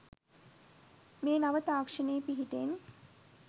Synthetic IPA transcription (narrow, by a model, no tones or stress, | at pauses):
meːnaʋət̪aːkʂəneːpiɦiʈen